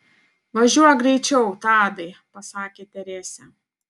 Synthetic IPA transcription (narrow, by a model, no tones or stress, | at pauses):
ʋɐʒʲuɔjɡɾʲɛɪt͡ʃʲɛʊt̪ɑːd̪ɐɪpɐsɑːkʲeːt̪ʲɛɾʲæːsʲɛ